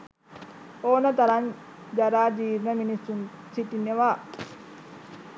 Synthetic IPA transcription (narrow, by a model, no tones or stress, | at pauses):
oːnɐt̪ɐɾan | d͡ʒɐɾaːd͡ʒiːɾnɐminisun | siʈinːeʋaː